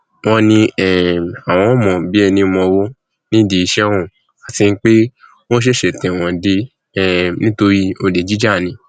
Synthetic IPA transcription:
w̃ɔ̃˧˦nĩ˧ɛ˨a˨w̃ɔ̃˧ɔ˦mɔ̃˨bi˦ɛ˧nĩ˧mɔ̃˧wo˦ | nĩ˦de˨i˧ʃɛ̃˦ɔ̃˦˨ | a˨˦ti˧n̩˦k͡pe˦ | w̃ɔ̃˦ʃ̬e˦ʃe˨tɛ̃˨w̃ɔ̃˨de˧ | ɛ˦˨nĩ˦to˧ɾi˦o˧de˨d͡ʒi˦d͡ʒa˦˨nĩ˧˦

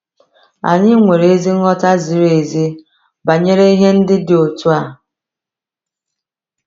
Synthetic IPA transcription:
a̰˨ɲɪ˦ŋʷe˨ɾe˦zi˦ŋ̩˦ɔ˦ta˦zi˨˦ɾe˨zi˦ | ba˨ɲe˦ɾe˦i˦ɦe˦n̩˦dɪ˦dɪ˨o˨tu˦a˦˨

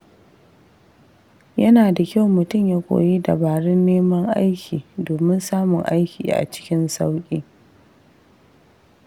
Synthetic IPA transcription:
jɐ˦naː˨da˨kʲa˦˨wmʊ˨tʊ˦˨mjaː˦kʷʼo̰ː˨ji˦da˨baː˨ɽɪ˦nːeː˦mɐ˦ŋʔa̰˦jkʲʰiː˨doː˨mɪ˦nsaː˦mʊ˨ŋʔa̰˦jkʲḭː˨ʔa̰˨t͡ʃɪ̥˦kʲɪ˦nsa˦wkʲʼi˦

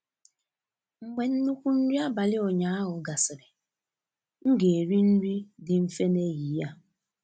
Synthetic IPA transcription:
ŋ͡m̩˨ɡ͡be˨n̩˦nu˦kʷu˦n̩˦ɾi˦a˦ba˨lɪ˦o˨ɲa˨a˦ɦʊ˨ɡa˨sɪ˨ɾɪ˨ | ŋ̩˦ɡe˨e˨ɾi˦n̩˦ɾi˦dɪ˨m̩˦fe˦ne˦ji˨˦ja˦

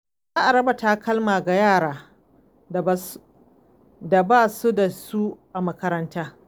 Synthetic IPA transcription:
zaː˦ʔa˨ɾɐ˦bɐ˨taː˦kɐ˦lmaː˨ɡa˨jaː˦˨ɽaː˦˨˦ | da˨baː˦˨su˦da˨su˦ʔa˨mɐ˦kɐ˦ɾɐ˦ntaː˦

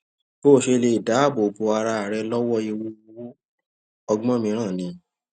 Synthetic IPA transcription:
b̥o˦˨ʃe˧le˧i˨da˨˦˨bo˨bo˨˧a˧ɾa˧a˨ɾɛ˧lɔ˦wɔ˦e˧wu˧w | ɔ˧ɡ͡bɔ̃˦mĩ˧˦ɾ̃ã˦˨nĩ˧˦

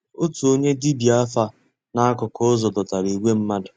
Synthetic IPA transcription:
o˦tu˨o˦ɲe˦di˦bi˨a˦fa˦ | na˦a˦kʊ˨kɔ˦zɔ˨dɔ˨ta˨ɾi˨i˨ɡʷe˦m̩˦ma˦dʊ˨

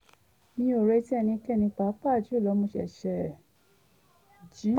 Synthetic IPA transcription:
nĩ˧˦o˨ɾe˧˦ti˦ɛ˦˧nĩ˧kɛ˦˨nĩ˧k͡pa˨˦pa˦˨d͡ʒi˦o˦˨lɔ˨˧˦mõ˧˦ʃɛ̰˨ʃɛ˧˨ | d͡ʒi˨˦

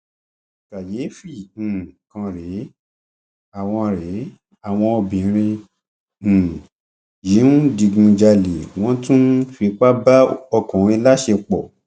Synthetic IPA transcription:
ka˨je˨˦fĩ˦˨kã˧ɾe˨˦ | a˦˨w̃ɔ̃˧ɾe˨˦ | a˨w̃ɔ̃˧o˧bĩ˨˦ɾ̃ĩ˧˨ | ji˨˦nũ˦di˧ɡũ˧d͡ʒa˧le˨w̃ɔ̃˦tũ˦fi˧˦k͡pa˦ba˦ɔ˧kũ˨ɾĩ˧la˦ʃe˧k͡pɔ˨

